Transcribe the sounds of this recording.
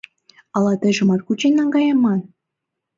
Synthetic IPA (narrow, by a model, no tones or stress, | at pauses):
ɑlˠɑt̪ɘ̆ʒĕmɑrkut͡ɕenʲːɑŋɡɑjɑmɑn